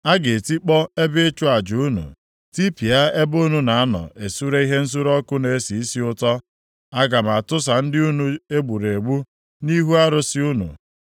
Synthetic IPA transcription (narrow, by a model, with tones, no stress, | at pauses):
a˦ɡe˨ti˦k͡pɔ˦e˦bɪ˦t͡ʃʊ˦a˨d͡ʒu˨u˦nṵ˨ | ti˦pi˨a˦e˦bu˦nu˨na˨a˦nɔ̰˨ʔe˨su˦ɾe˦i˦ɦe˦n̩˦s̬u˦ɾɔ˦kʊ˦ne˨e˦si˨i˦si˦ʊ˦tɔ˦ | a˦ɡa˨m˨a˨tʊ˦s̬a˨n̩˦dɪ˦u˦nu˦e˦ɡ͡bu˨ɾe˨ɡ͡bu˦ | ni˦ɦu˦a˦ɾʊ˦sɪ˦u˦nṵ˨